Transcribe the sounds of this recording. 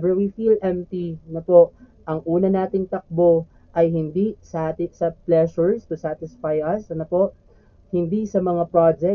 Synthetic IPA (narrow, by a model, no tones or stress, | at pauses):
bɛwifilʔɛmt̪inɐpo̞ʔ | ʔɐŋʔuːnɐnaːt̪ɪŋt̪ɐk̚bo̞ | ʔɐjɦɪnd̪isat̪ɪsɐplɛʃʊɹst̪ʊsat̪ɪsfajʔɐsɐnɐpo̞ʔ | hɪnd̪isɐmɐŋapɹad͡ʒɛ